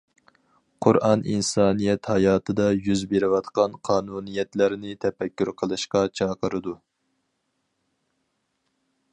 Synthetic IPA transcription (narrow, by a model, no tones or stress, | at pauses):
qʰʊ̰ɾʔɑnʔḭnsɑːnijɛt̪hɑjɑːt̪ʰɨd̪ɑjyzbeɾɪwɑt̪qɑnqʰɑːnunɨjɛt̪læɾnɪt̪ʰɛfɛkʲːyɾqʰəlˠɨʃqɑt͡ʃʰɑːqʰəɾɨd̪u